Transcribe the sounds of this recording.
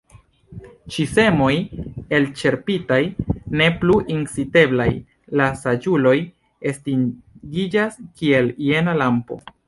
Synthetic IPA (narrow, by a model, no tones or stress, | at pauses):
t͡ʃise̞mo̞je̞lt͡ʃe̞ɾpitajne̞pluʔinsite̞blaj | lasad͡ʒulo̞j | e̞stiɡid͡ʒaskie̞lie̞nalampo̞̰